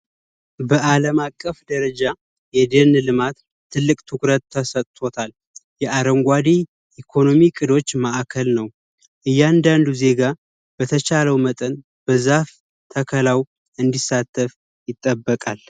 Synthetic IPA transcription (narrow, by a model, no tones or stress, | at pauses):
bəʔaləmakʼːəfd̪əɾəd͡ʒa | jɛd̪enlɨmat̪ | t̪ʰːɨlːɨkʼt̪ʰɨkɾət̪ʰːəsət̪ʼt̪ʰo̞t̪ʰal | jɛʔaɾəŋɡʷad̪i | ʔikʰo̞no̞mikʼɨd̪o̞t͡ʃːmaʔkʰəlnəw | ʔɨjːand̪and̪uze̞ɡa | b̥ət̪ʰət͡ʃaləwmət̪ʼən | b̥əzaf | t̪ʰəkʰəlaw | ɨnd̪isːat̪ʰːəf | jɪt̪ʼːəbːəkʼal